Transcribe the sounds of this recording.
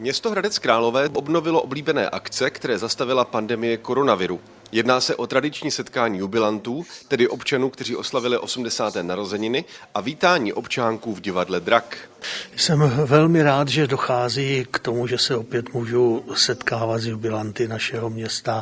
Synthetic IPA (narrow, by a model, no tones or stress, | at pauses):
mɲɛst̪oɦɾadɛt͡skɾaːlo̞vɛːʔobno̞vɪlo̞ʔo̞bliːbɛnɛ̰ːʔakt͡sɛkt̪ɛɾɛːzast̪avɪlapandɛmɪjɛko̞ɾo̞navɪɾu | jɛdnaːsɛʔo̞t̪ɾadɪt͡ʃɲiːsɛt̪kaːɲiːjubɪlant̪uːt̪ɛdɪʔo̞pt͡ʃanuːkt̪ɛr̝iːʔo̞slavɪlɪʔo̞sumdɛsaːt̪ɛːnaɾo̞zɛɲɪnɪʔaviːt̪aːɲḭːʔo̞pt͡ʃaːŋkuːvɟɪvadlɛd̪ɾakjsɛmvɛlmɪɾaːt̪ʒɛdo̞xaːziːkt̪o̞muʒɛsɛopjɛt̪muːʒowsɛt̪kaːvat̪zjubɪlant̪ɪnaʃɛɦomɲɛst̪a